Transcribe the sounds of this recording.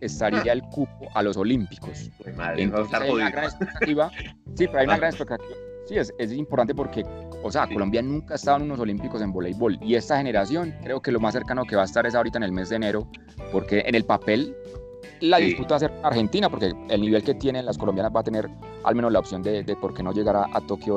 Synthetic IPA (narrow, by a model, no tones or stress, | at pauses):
e̞st̪aɾiaelkup̚oʔalo̞so̞limpi̥kosent̪onsesajaunaɡɾanespekt̪at̪iβa | sipeɾoajunaɣɾanespe̞k̚t̪at̪iβa | siesesimpoɾt̪ant̪e̞p̬o̞ɾke̞ | ose̞ako̞lombjanũŋkaest̪aðenuno̞s̬o̞limpiko̞se̞mbolejbo̞lie̞st̪axe̞ne̞ɾasjo̞ŋkɾe̞oke̞lo̞masːe̞ɾkanoke̞βaest̪aɾe̞s̬aoɾit̪aene̞lme̞zd̪eːne̞ɾo̞ | po̞ɾke̞ʔenelpape̞lː | aðisput̪aβas̬eɾkoaɾxe̞nt̪inapo̞ɾke̞elniβe̞lke̞t̪je̞nenlaskolo̞mbjanazbaːt̪ene̞ɾ | a̰lme̞nozlaopsjo̞nd̪ed̪epo̞ɾke̞no̞ʝe̞ɣaɾaʔa̰t̪okjo